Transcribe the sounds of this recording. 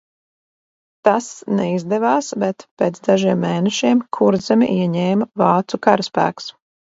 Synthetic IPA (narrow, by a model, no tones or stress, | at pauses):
t̪asnɛizd̪ɛvɑːsbɛt̪peːt̪zd̪aʒiɛmːeːnɛʃiɛmkʰuɾd̪zɛmʲḭʔiɛɲɛːmvɑːt̪sukaɾaspæ̰ːks